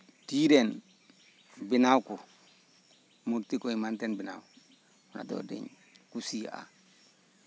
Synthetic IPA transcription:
tiɾen | binawko | muɾtikoimantenbina̰w | na̰do̰dḭɲ | kusia̰

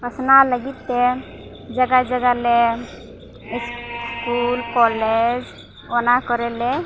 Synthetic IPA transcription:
əsnaləɡit̪ːe | d͡ʒəɡad͡ʒəɡale | isskulkɔled͡ʒ | onakəɾele

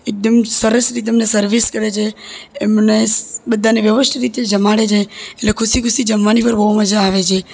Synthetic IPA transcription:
ek̚d̪əmsəɾəsɾit̪̬emnesəɾʋiskəɾet͡ʃʰeːmnebəd̪ʱːaneʋjəʋəsʈʰɾit̪ed͡ʒəmaɽet͡ʃʰeeʈlekʰʊsikʰʊsid͡ʒəmʋanipəɾbəɦuməd͡ʒaːʋet͡ʃʰe

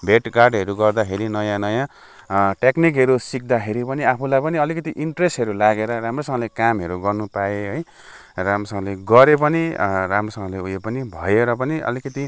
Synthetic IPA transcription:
bʱeʈɡarɖɦʌɾuɡʌrd̪axʰeɾinʌjãnʌjã | ʈeknik̬ɦʌɾusik̚d̪axʰeɾipʌniapʰulajpʌniʌlikʌt̪iʔiɳʈresʈɦʌɾulaɡeɾʌramrosʌŋʌ̃lekamɦʌɾuɡʌrnupaeɦʌj | ramosʌŋʌ̃leɡʌɾep̬ʌniramrosʌŋɡʌ̃leujepʌnibʱʌeɾʌp̬ʌniʔʌ̰likʌt̪i

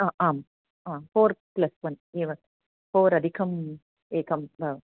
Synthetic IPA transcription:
aːʔaːm | aːfoːɾplɐsʋɐniːʋɐ | foːɾɐd̪ʱikʰɐm | eːkɐmɐ

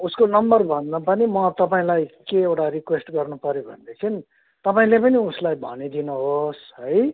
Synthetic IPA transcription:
uskonʌmbʌrbʱʌnd̪apʌnimʌt̪ʌpaĩlajkeewʈaɾikwesʈɡʌrnupʌɾjobʱʌ̰nd̪ekʰin | t̪ʌpaĩlepʌniuslajbʱʌ̰nid̪inuɦosɦʌj

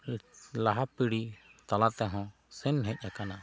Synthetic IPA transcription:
laɦapiɽit̪alat̪ɛɦɔ̃ | sɛnɦɛc̚ˀakana

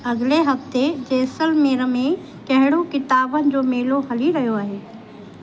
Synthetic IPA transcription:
ɐɣleɦɐft̪ed͡ʑeːsəlmeːɾəmẽ | kɐɦɪɽ̃okɪt̪aːbənɪ̆d͡ʑoːmeːloɦɐliɾɐɦijoaːɦeː

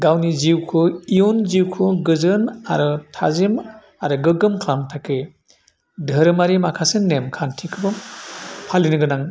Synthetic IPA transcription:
ɡawniziwkʰɯijonziwkʰɯɡɯzɯnaɾɯtʰa̰zim | aɾɯɡɯɡɯmkʰlaŋtʰake | dʱɯɾɯmaɾimakʰasenːemkʰantʰikʰɯbɯ | pʰalinɯɡɯnaŋ

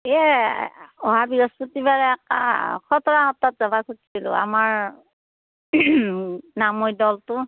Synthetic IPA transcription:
ɛ | ɔɦabiɹɔsputibaɹɛka̰kʰɔtɔɹaɦɔtːatzabakʰutʰsilʊ̰a̰maɹ | namojdɔltʊ

